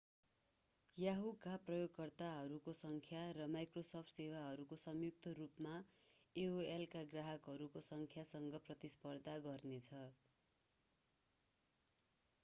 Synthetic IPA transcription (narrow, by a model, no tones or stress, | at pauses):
jaɦukaprʌjoɡkʌrt̪aɦʌɾukosʌŋkʰjarʌmajkrosʌpʰʈsewaɦʌɾukosʌmjuk̚t̪ʌrupmaeoelkaɡraɦʌkɦʌɾukosʌŋkʰjasʌŋɡʌprʌt̪ispʌrd̪ʱaɡʌrnet͡sʰʌ